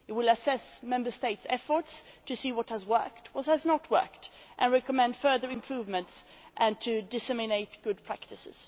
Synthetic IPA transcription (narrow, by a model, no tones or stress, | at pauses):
ɪt̚wɪlˠəsɛsmɛ̃mbə˞steɪtsɛfə˞tstʰɨsiwʌt̚həzwɜ̰˞k̚tʰwʌt̚həznət̚wɜ̰˞k̚tʔɨ̰̃nɹɛkəmɛ̃nd̥fɜ˞ðə˞ɨ̃mpʰɹ̥uvmɨ̃nts | ʔɨ̃ntʰɨdɨsɛmɨneɪt̚ɡ̥ʊd̚pʰɹ̥æk̚tɨsɪ̰z̥